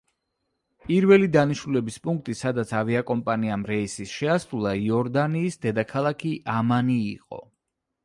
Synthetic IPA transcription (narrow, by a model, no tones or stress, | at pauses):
pʼiɾvɛlid̪aniʃnulɛbispʼuŋk̚ʰt̪ʼisad̪at̪sʰaviakʼɔmpʼaniamɾɛisisʃɛasɾulˠaiɔɾd̪aniːsd̪ɛd̪akʰalˠakʰiʔamanḭːqʼɔ̰